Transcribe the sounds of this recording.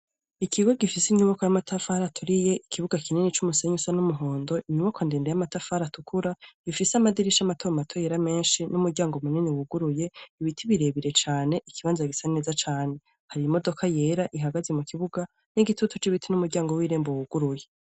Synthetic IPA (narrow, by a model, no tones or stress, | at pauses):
ikʰiɡo̞ɡifisiɲuβako̞jamatʰafaːɾatʰuɾije̞ʔikʰiβuɡakininit͡ʃumuse̞ɲusanumuɦo̞ːndo̞ʔiɲuβakʰondeːndejamatafaːɾatukʰuɾaɡifiseamadiɾiʃamatʰoɾamatʰojeɾame̞ːnʃinumuɾɟaːŋɡomuniniwuɡuɾuje̞iβitʰiβiɾe̞βiɾe̞t͡ʃaːne̞ʔikʰiβaːnzaɡisaine̞ːzat͡ʃaːne̞ | haɾimo̞do̞kʰaje̞ːɾaʔiɦaɡazemukiβuɡa | niɡitutʰut͡ʃiβitʰinumuɾɟaːŋɡowiːɾeːmbowuɡ̥uɾuje̞